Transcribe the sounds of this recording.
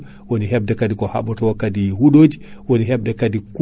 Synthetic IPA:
woniɦɛbdɛkadikɔha̰ɓɔtɔwɔkadijihuɗoːd͡ʒiwoniɦɛb̚dɛkadik

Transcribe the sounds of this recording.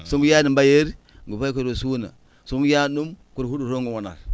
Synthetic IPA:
suŋɡujanimbajeɾ | ŋɡupaik̬uɾosuna̰ | suŋɡujaɗum | kuɾhuɗuɾoŋɡuwana̰ɾ

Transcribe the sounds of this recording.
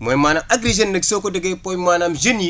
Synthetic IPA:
mojmanaʔaɡɾed͡ʒenːɐksokodəɡepojmanamd͡ʒini

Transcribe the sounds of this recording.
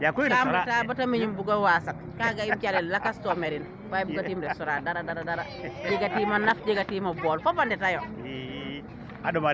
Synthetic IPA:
jakomatabatamiɲumbuɡawasak | kaɡaimkʲalilakastomeɾin | fajbuɡatimɾesuɾadaɾadaɾadaɾad͡ʒeɡatimanafd͡ʒeɡatiːmabolfobandɛtajo | adoma

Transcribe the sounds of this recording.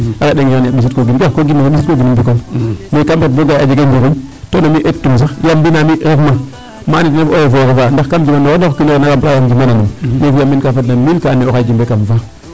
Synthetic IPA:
akaɗeŋikanjaɓis̬it̚koɡinkkoɡimaaɓit̚koɡinumbikomekamet̚boɡaad͡ʒeɡembiɣin | tonamiʔettːums̬ajambinamiɾefma | manitnefojofokofandaxkamd͡ʒimanoonakinienakampajamɡimananummefijamːikafatnamilkaːneokaɡimbekamfa

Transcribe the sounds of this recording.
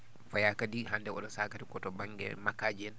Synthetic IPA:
fajakadiɦandɛɔɗɔsakatikɔtɔbaŋɡɛ̰makad͡ʒɛn

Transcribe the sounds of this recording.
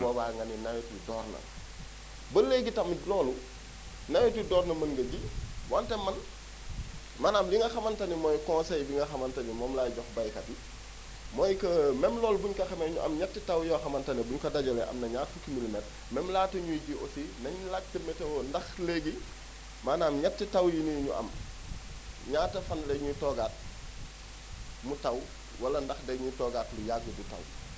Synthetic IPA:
bɔːbaŋɡɐninɐjotudɔːrnɐ̰ | bəleɡitɐmlɔːlu | nɐjotudɔːɾnɐmɐŋɡɐɟiwɔntɛmɐn | mɐnamliŋɡɐxɐmɐntɐnimɔjkɔ̃nsɛjbiŋɡɐxɐmɐntɐnimɔːmlaːjɟɔxbɐjkɐti | mɔjkɐmɛmlɔːlbuɲkɐxɐmɛɲuʔɐ̰mɲatːitɐwjɔxɐmɐntɐnibuɲkɐdaɟɐlɛʔɐ̰mnɐɲaːtfukimilmɛt | mɛmlaːtɐɲujiɟiʔo̰sinɐɲlak̚tɐmɛtɛwɔndɐxleɡi | maːnaːmɲatːitɐwjiniɲṵʔɐ̰m | ɲaːtɐfɐnlɛɲutɔɡaːt̚ | mutɐw | wɐlɐndɐxdɛɡɲutɔːɡaːtlujaɡəbutɐ̰w

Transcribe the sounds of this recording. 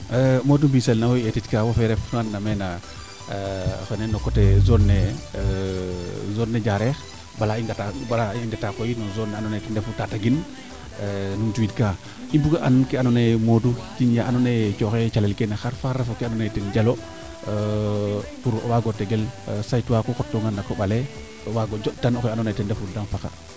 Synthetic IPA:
əmodumbiselnawoetitkawofeɾefunanːamena | fenenokːotezonːe | zonːed͡ʒaɾex | balaiŋɡatabalaiŋɡatakojinozonːanonetindefutataɡin | numtuwitkaː | imbuɡaʔannkeanonemodukinjaʔanonet͡ʃoxet͡ʃalelkenexaɾfaɾefokeanonetend͡ʒalo | fuɾo̰waɡoteɡelsajtwakokotːoŋɡandakoɓale | owaɡod͡ʒotanokanonetendefuɾdanfaka̰

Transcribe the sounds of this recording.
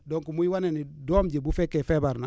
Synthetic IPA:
doŋkumujiwanenidoːmɟebufekefebaɾna̰

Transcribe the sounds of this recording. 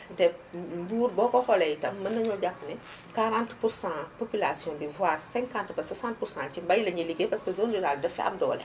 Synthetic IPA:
dɛfmbuːɾbɔːkɔxɔlɛjtɐmːɐnːɐɲɔɟakːɐnɛ | kaɾãntpursãpopylasijɔ̃bivwaːrsɛ̃ŋkãntbɐsɐsãnt̚pursãt͡ʃimbɐjlɐɲiliɡepɐskəzondiɾaːldɛfɛ̰ɐ̰mdɔ̰ːlɛ̰

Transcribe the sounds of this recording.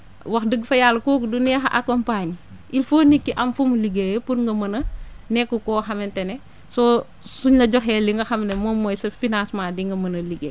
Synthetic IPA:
wɐxdəɡfɐjalːɐkɔkudunɛxɐ̰ʔɐ̰kɔmpaɲi | ʔilfoːnikːiʔɐmfumuliɡejepuɾŋɡɐmɐnɐnɛkːɔkɔːxɐmɛntɛnɛ | sɔ | suɲlɐɟɔxɛːliŋɡɐxɐmnɛmɔmɔjsɐfinansmaːdiŋɡɐmɐnɐliɡḛ

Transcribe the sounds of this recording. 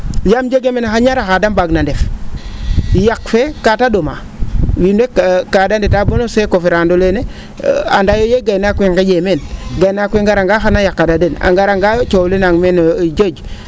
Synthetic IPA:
jamd͡ʒeɡemenaxaɲaɾaxadambaɡnandef | jakfekatadoma̰ | winekkːadanditabonosekofiɾandolene | andajojeɡajnakʷeŋɡed͡ʒemenɡajnakʷeŋɡaɾaŋɡaxanajakːadadena̰ŋɡaɾaŋɡat͡ʃolinaŋmend͡ʒod͡ʒ

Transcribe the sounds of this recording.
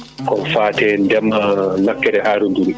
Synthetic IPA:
kɔnfaːtɛndɛmːanakːɛdɛhaːɾunduɾi

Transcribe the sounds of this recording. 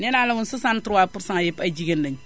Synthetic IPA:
nɛnalawʊnsusantʊwapuɾsaŋajɛpad͡ʒiɡendaɲ

